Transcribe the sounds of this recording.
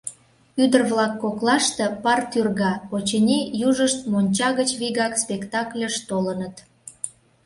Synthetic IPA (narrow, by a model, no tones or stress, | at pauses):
yd̪ərβlɑkːoklɑʃt̪ə̆pɑrt̪yrɣɑpot͡ɕenʲejuʒəʃt̪monʲt͡ɕɑɣət͡ɕβiɣɑkspʲekt̪ɑklʲəʃt̪olənət̪